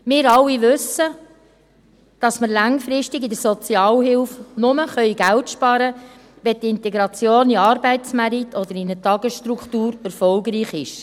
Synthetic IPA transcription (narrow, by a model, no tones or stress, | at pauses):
mɪːɾɑlːiʋʉsə | d̥ɑsməɾlɑŋfɾɪʃtɪɡidəsɔt͡sjɑːlɦɪlfnʊməχœʏɡæltʃpɑɾə | ʋɛtɪntɛɡɾɑt͡sjoːniɑːɾbɛɪtt͡smæɾit̪ʰɔd̥̪əɾinətɑɡəsʃtɾukχtuːɾɛɾfɔlɡɾiːχɪʃ